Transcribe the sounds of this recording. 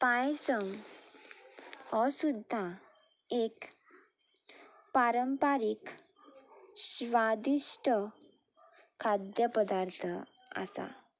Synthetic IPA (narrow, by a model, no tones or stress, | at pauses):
pãjsəŋ | hɔsud̪ʱːa | ek | paɾəmpaɾik | ɕʋad̪iʂʈʰə | kʰːad̪jəpəd̪aɾt̪ʰəa̰sa̰